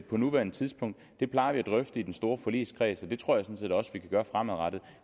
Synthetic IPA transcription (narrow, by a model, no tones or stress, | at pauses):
pʰɒ̽nuʋæɐnət͡sʰiðˠsb̥ʰɔ̽ŋ̰d̥ːe̝pʰlɑ̈ɪɐʋiæd̥ʁœfd̥əid̥ensd̥o̝ːɐfɒ̽lḭːskʰʁɛ̰ːsɒ̽d̥e̝t͡sʰʁo̝ɐ̰jäsɒ̽nse̝̰ːdɒ̽sʋikʰæɡ̥ɶːɐfʁamæðˠʁɑd̥ð̩ˠ